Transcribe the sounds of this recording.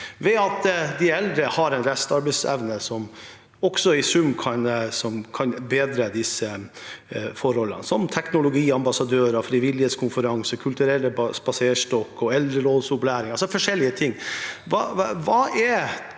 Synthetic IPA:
ʋɛɑt̪d̪ɪɛld̪ɾəhɑɾɛnɾɛst̪ɑɾbɛɪsɛ̰ʋnəsɔm | ɔksɔɪsʉmːkʰɑnsɔmkʰɑnbeːd̪ɾəd̪ɪsə | fɔɾhɔlə̰nsɔmt̪ʰɛknʊlʊɡiːɑmbɑsɑd̪øːɾɑfɾiːʋɪlːɪheːt̪skʰʊnfəɾɑŋsəkʰʉlt̪ʉɾɛlːəsbɑseːʂtɔkːɔɛld̪ɾəɾoːd̪sʊblæːɾɪŋɑlsɔfɔʂɛlːɪət̪ʰɪŋːʋɑʋɑːʔɛɾ

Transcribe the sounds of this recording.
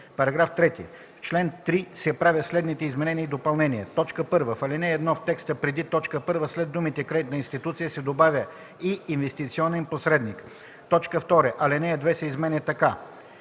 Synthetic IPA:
pɐɾɐɡɾaft̪ɾɛt̪ḭ | ft͡ʃlɛnt̪ɾisɛpɾavʲjəslɛd̪nit̪ɛizmɛnɛniəid̪opɐlˠnɛnʲiɛt̪ɔt͡ʃkəpɤɾvəfɐlɛnɛːd̪nɔft̪ɛkst̪əpɾɛd̪it̪ɔt͡ʃkəpɤɾvəslɛd̪umit̪ɛkɾɛit̪nəinst̪it̪ut̪sijəsɛd̪obavʲjə | iːnvɛst̪it̪siɔnɛnposɾɛd̪nik | t̪ɔt͡ʃkəft̪ɔɾɛʔɐlɛnɛɛd̪vɛsɐizmɛnɛt̪ɐka

